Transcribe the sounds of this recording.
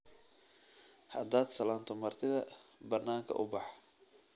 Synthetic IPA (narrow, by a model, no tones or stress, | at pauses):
hɐd̪aːd̪sɐlaːnt̪ʰɔmɐrt̪ʰɪðɐbɐnːaːŋkʰɐ̰ʔʊbɑħ